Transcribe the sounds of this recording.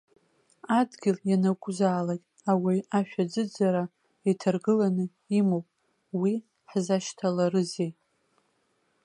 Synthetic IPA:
adɡʲɪljanakʷʼʊzaːlatʼ | awiaʃᶣad͡zɨd͡zaɾa | itʰarɡɨlanɨ | imowpʼ | wi | ħzaʃtʰalaɾɨzejʼ

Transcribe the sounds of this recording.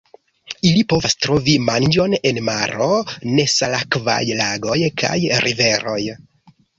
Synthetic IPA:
ilipo̞vastɾo̞vimand͡ʒo̞ne̞nmaɾo̞ne̞salakva̰jlaɡo̞jkʰa̰jɾʔive̞ɾo̞j

